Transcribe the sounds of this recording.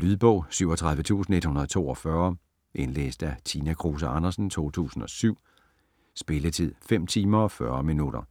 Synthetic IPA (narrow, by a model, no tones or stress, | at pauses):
lyðˠb̥ɔ̽ʊ̰syʊ̰ɒt͡sʰʁɑ̈ð̞ˠʋət͡sʰṵːsn̩e̝d̥hunɐð̩ˠt͡sʰo̝̰ːɒ̽fɶɐ | ʔe̝nlḛːsd̥æt͡sʰiːnækʰʁoːs̬æʔɑnɐsn̩t͡sʰo̝̰ːt͡sʰṵːsn̩ɒ̽syʊ̰ | sb̥e̝lət͡sʰið̰ˠfem̰t͡sʰiːmɐɒ̽fɶɐminud̥ɐ